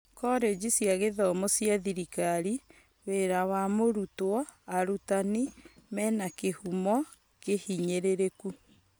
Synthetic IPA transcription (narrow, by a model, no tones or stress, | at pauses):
kɔɾed͡ʑisjaɣeðɔmosjaðiɾikaɾi | weɾawamoɾutwɔaɾutanimɛnakehumɔ | kehiɲeɾeɾeku